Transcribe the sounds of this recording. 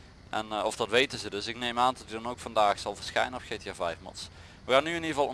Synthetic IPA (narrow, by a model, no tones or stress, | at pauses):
ʔɛnɔfd̥ɑtʋejtənzədɵsɪknejmaːndɔtydɑnowkfɑndaːxsɑlˠvəɹsxɛ̰jnənɔpxejtiaːvɛjfmɑ̰ts | ʋəxaːnːyɪniəvɑlˠ